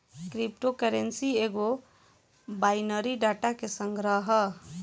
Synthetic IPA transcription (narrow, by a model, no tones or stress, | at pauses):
kɾipʈokəɾensieɡo | bajnəɾiɖaʈakesəŋɡɾəɦə